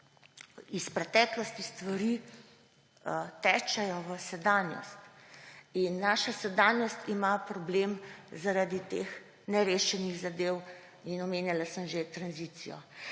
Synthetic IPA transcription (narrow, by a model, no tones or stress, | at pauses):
ispɾɛt̪ɛːklɔst̪ist̪ʋaɾi | t̪ɛːt͡ʃɛjɔʋəsɛd̪anjɔ̰st̪ | inːaːʃasɛd̪anjɔst̪imapɾɔblemzaɾad̪it̪ex | nɛɾeːʃɛniɣzad̪ew | inɔmeːnjalasəmʒet̪ɾanzit̪sijɔ̰